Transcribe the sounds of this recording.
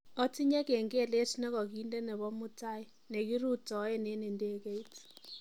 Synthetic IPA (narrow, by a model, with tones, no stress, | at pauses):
ɔ˦ti˦ɲɛ˦kɛ˨ŋɡe˦˨le˦tnɛ˦kɔ˨k̬i˦nde˦nɛ˨βɔ˦mʊ˦ta˦ɪ˦ | ne˨ki˦ɾu˦˨tɔ˨˦ɛ˦ne˨˦ne˨ndeː˦ke˦i˦t